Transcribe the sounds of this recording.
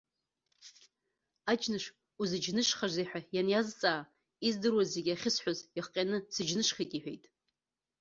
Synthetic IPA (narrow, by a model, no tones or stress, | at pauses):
ad͡ʒʰnɨʂ | uzɨd͡ʒnɨʂχaʐʷejħʷᶣajanjazt͡sʼaː | izdɨrwaze̞ɡʲaχʲɪsħʷazjaχqʲʼanɨsɨd͡ʒnɨʂχʲakʼiħʷᶣḛjtʼ